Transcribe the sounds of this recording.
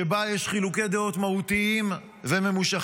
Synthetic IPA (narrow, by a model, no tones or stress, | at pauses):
ebajeʃχiluked̪eo̞t̪mahut̪iim | veme̞muʃa